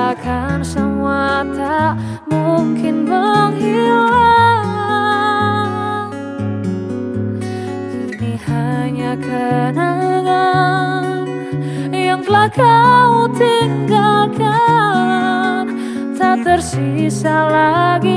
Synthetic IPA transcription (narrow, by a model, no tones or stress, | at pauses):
akʰansəmuat̪a | muŋkɪnbəŋhila | kinihaɲakʰənaŋa | jaŋkəlakaut̪iŋɡalkʰa | t̪at̪ərsisalaɡi